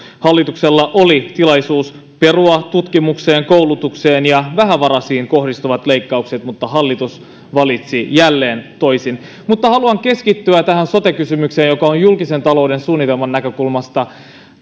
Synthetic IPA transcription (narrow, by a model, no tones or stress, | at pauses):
hɑlːit̪ukselːɑʔolit̪ilɑjsuːs | pe̞ruɑt̪ut̪kimukse̞ːŋko̞wlut̪ukse̞ːnjɑʋæɦæʋɑɾɑsiːŋko̞hdist̪uʋɑt̪le̞ijkːɑukset̪mut̪ːɑɦɑlːit̪us | ʋɑlit̪sijælːe̞ːnt̪o̞jsin | mut̪ːɑhɑluɑŋke̞skit̪ːyæt̪æɦænso̞t̪ekysymykseːnjo̞kɑonjulkise̞nt̪ɑlo̞wde̞nsuːnːit̪elmɑnːækø̞kulmɑst̪ɑ